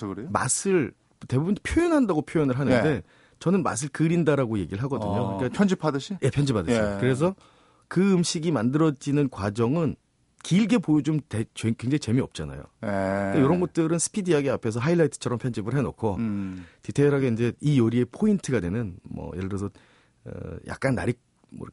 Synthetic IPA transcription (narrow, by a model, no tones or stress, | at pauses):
kɯɾema̰sʰɯɭ | te̞bubunpʰjojʌnɦandaɡopʰjojʌnɯɭɦanɯnde̞ | t͡ɕʌnɯnma̰s̬ʰɯɭkɯɾindaɾaɡoje̞ɡiɾɯɭɦaɡʌdɯɲokɯɾik͈apʰʌnd͡ʑipʰadɯɕʰije̞pʰjʌnd͡ʑipadɯɕikɯɾe̞s̬ʰʌ | kɯɯmɕʰiɡimandɯɾʌd͡ʑinɯnkwad͡ʑʌŋɯn | kiːɭɡe̞pojod͡ʑomtet͡ɕekwe̞ŋd͡ʑaŋit͡ɕe̞miʌp̚t͡ɕ͈ana̰jo̰ekejoɾʌnɡʌt̚t͈ɯɾɯnsʰɯ̥pʰidiɦaɡeapʰe̞s̬ʰʌɦailːaitʰɯ̥t͡ɕʰʌɾʌmpʰjʌnd͡ʑibɯɭɦeno̰kʰotitʰeɾɦaɡeind͡ʑe̞ijʌɾie̞pʰointʰɯɡadwe̞nɯnmʌ̰jeɾɯɾʌsʰʌ | ʌ̰ja̰k̚k͈anːa̰ɾik̚ | mo̰